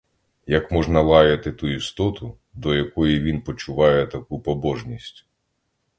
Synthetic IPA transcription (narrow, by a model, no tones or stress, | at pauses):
jɐkmɔʒnɐlˠɑjɐt̪ɪt̪uist̪ɔt̪ʊ | d̪ɔjɐkɔjiʋʲinpɔt͡ʃʊʋɑjɛt̪ɐkupɔbɔʒnʲisʲtʲ